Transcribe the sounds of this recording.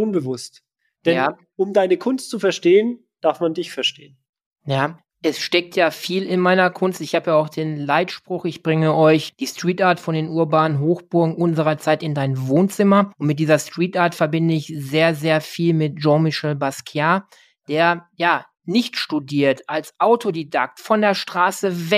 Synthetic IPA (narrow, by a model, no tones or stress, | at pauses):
ʔʊnbəvʊst | d̥ɛjnaː | ʔʊmdaɪnəkʰʊnstt͡sufɛɐʃteːən | d̥aɐfmandɪçfɛɐʃtḛːən | jaː | ʔɛsʃtɛk̚tʰjaːfiːlɪnmaɪnɐkʰʊnstɪçhaːbəjaːaʊxd̥eːnlaɪtʃpʁ̥ʊxɪçb̥ʁɪŋəʔɔʏçd̥iːstʁ̥iːtaɐtfɔndeːnʔuːɐbaːnənɦoːxb̥ʊɐɡŋ̩ʔʊnzəʁɐt͡saɪtɪndaɪnvoːnt͡sɪmɐʔʊntmɪt̚d̥iːzɐstʁ̥iːtʔaːɐtfɛɐbɪndəɪçzeːɐzeːɐfiːlmɪt̚ʒɔ̃mɪʃɛlbaskʰjaː | d̥eːɐjaː | nɪçtʃtudiːɐtʔalsʔaʊtʰodidak̚tfɔndeːɐʃtʁ̥aːsəvɛ